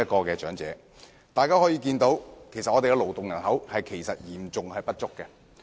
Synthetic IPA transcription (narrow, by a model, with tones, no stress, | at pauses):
ɐ˥t̚kɔː˧kɛː˧t͡ʃœ̰ː˨˥ŋt͡sɛː˨˦˥ | t̪aː˨jkaː˥hɔː˨˥jiː˧kiː˧nt̪o˨˥wkʰe˨˩jsɐt̚ʔɔː˨˧t̪e˨kɛ˧lo˨wt̪ʊ˨ŋjɐ˨˩nhɐ˨˥whɐ˨jkʰe˨˩jsɐ˨t̚jiː˨˩mt͡sʊ˨ŋhɐ˨jpɐ˥t̚t͡ʃʊ˥kːɛ˧